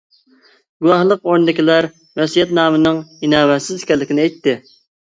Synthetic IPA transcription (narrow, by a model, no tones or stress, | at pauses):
ɡuwɑhlˠəqoɾnɨd̪ɪkʲilæɾ | wɛsijɛt̪nɑːmɨnɨŋinɑːwɛt̪sɪz̥kʲɛlːɪkʲinɪɛjt̪ʰːɪ